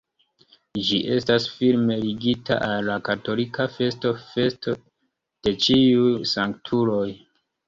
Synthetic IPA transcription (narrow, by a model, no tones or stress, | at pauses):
d͡ʒiʔe̞stasfilme̞liɡitʰa̰ʔalːakato̞likafe̞sto̞fe̞sto̞ | d̥e̞t͡ʃiujsaŋktʰuɾo̞j